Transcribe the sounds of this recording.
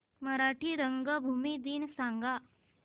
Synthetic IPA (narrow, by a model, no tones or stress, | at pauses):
məɾaʈʰiːɾəŋɡəbʱumid̪iːnsaŋɡa